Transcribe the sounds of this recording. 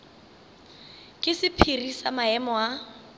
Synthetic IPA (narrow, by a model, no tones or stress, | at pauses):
kʼɪsɪpʰirisamaɛmɔa